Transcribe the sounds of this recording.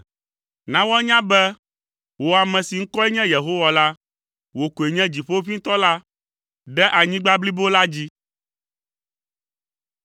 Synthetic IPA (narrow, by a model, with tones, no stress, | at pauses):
nã˦wɔ˦ɲã˦bɛ˦ | wo˨a˨mɛ̃˨si˨ŋ̩˦kɔ˦ɛ˦ɲɛ̃˦je˨ɦo˦wa˨la˦ | wo˨ko˨e˨ɲɛ̃˦d͡ʑi˨ɸo˦o˦ɸi˦t̪ɔ˦la˦ | ɖɛ˦ʔa˨ɲĩ˦ɡ͡ba˦bli˦bo˦la˦d͡ʑi˦